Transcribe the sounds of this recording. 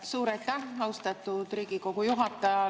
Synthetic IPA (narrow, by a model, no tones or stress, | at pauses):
suːɾɑjt̪ːˑæhɑwst̪ɑt̪ːud̪̥riːɡ̥iko̞ɡ̥ujuɦɑt̪ːˑɑjɑ